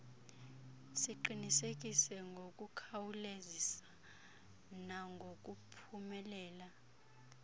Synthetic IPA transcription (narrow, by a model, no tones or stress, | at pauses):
siǃinisek̬ʼisɛŋɡʱokʼukʰawulezisḁ | naŋɡʱok̬ʼupʰumɛlɛːla